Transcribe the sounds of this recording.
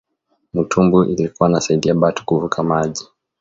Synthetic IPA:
mutʰumbuʔḭlikuwanasaiɗiaɓatu̥kuvukʰamaʄi

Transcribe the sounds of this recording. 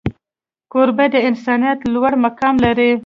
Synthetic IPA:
koɾbad̪əɪnsɑnijat̪lwaɽmakɑmlaɾi

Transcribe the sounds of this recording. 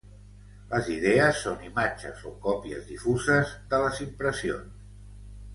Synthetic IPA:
ləziðɛəsːonimad͡ʒə̰zokɔpiə̰zðifuzəzðələzimpɾəsio̰ns

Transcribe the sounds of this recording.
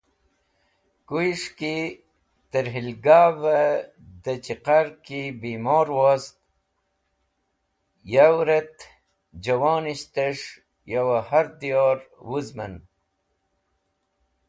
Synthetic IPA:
kuiʂki | t̪əɾɦilɡaːvə | d̪ət͡ɕiqaɾkibimoːɾwoːst̪̚ | jawɾet̪ | d͡ʑɐwaːniɕt̪eʂ | jawahaɾd̪ijoːɾwuzmə̰n

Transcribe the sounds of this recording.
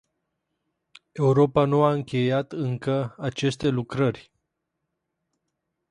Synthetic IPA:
e̞uɾo̞panuaɨŋkʲe̞jat̪ɨŋkəat͡ʃe̞st̪e̞lukɾərʲ

